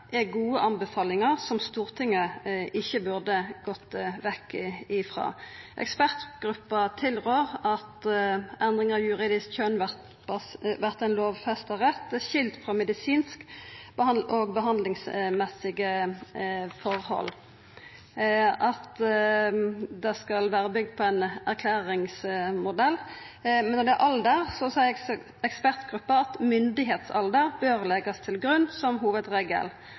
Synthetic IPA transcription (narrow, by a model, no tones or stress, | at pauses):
ʔɛɡuːəʔɑnbəfɑːlɪŋəʁsɔmst̪uːʁt̪ʰɪŋːəʔɪçːəbʉʁd̪əɡɔt̪ːʋɛkːɪɪfʁɑ̰ːʔɛ̰kspæʁt̪ɡ̥ʁʉpːɑt̪ʰɪlʁøːʁɑt̪ʔɛnd̪ʁɪŋəɑʋjʉʁiːd̪ɪskçœnʋæʁt̪ | ʋæʁt̪ɛɪnloːʋfɛst̪əʁɛt̪ːɛçɪlt̪fʁɑmɛd̪ɪsiːnskbəɑʔoːɡbəɦɑnd̪lɪŋsmɛsːɪɡə | fɔɾhɔ̰lː | ʔɑt̪ | d̪ɛskɑlʋæːɾəbʏɡ̚d̪̚pʰɔænæʁkʰlæːɾɪŋsmʊd̪ɛlː | mɛnːɔd̪ɛæʔɑld̪əɾsɔsɛɪ | ɛkspæʁt̪ɡɾʉpːəɑt̪mʏnd̪ɪɦeːt̪sɑld̪əɾbøːʁlɛɡɑst̪ʰɪlɡɾʉnːsɔmɦuːʋəd̪ʁeːɡə̰l